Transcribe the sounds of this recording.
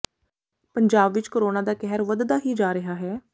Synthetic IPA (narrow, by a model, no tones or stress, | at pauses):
pəɲd͡ʒaːbʋɪt͡ʃkoːɾoːnaːd̪aːkɛɦɾʋəd̪d̪aːɦiːd͡ʒaːɾɪɦaːɦɛː